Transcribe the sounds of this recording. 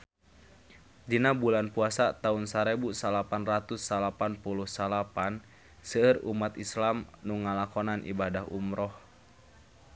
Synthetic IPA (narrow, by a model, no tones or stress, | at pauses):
d͡ʒinabulanpuasat̪aunsaɾebusalapanrat̪usːalapanpuluhsalapan | səːrṵmat̪islamnuŋalakɔnanʔḭbadaɦumɾɔh